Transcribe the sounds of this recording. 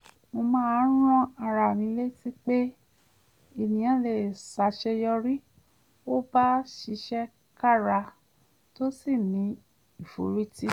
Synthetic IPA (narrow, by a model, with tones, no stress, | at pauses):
mo˧mãː˦˧˦ɾ̃ɔ̃˦a˧ɾa˨nĩ˧˦le˦ti˦k͡pe˦ | i˨nĩ˨j̃ã˨˦le˨sa˨ʃɛ˧jɔ˧ɾi˦ | o˦ba˦ʃi˧˦ʃɛ˦ | ka˦˨ɾa˧ | to˦si˦˨nĩ˨˧˦ | i˦˨fo̰˨ɾi˦ti˦